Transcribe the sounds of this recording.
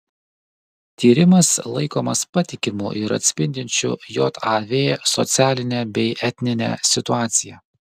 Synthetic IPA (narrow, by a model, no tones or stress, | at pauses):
t̪ʲiːɾʲɪmɐslˠɐɪkoːmɐspɐt̪ʲɪkʲɪmʊ̰ʔɪɾɐ̰t̪ʲsʲpʲɪnʲd̪ʲɪnʲt͡ʃʲʊ̰jɔt̪ɑʋʲeːsɔt̪sʲæːlʲɪnʲɛbʲɛɪʔɛt̪ʲnʲɪnʲɛ̰sʲɪt̪ʊɑːt̪sʲɪjɛ